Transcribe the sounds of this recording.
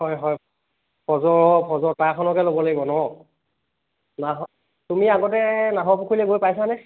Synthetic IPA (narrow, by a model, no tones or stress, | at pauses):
hɔjɦɔj | pʰɔzɔɹɔpʰɔzɔɹtajkʰɔnɔkɛlobɔlaɡibɔnɔ | naɦɔ | tumiaɡɔtɛnaɦɔpukʰuilɛɡojpajsanɛ